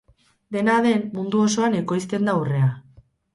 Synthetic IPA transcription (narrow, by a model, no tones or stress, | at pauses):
d̪e̞naðe̞nmund̪uo̞so̞aneko̞jst̪e̞nd̪aure̞a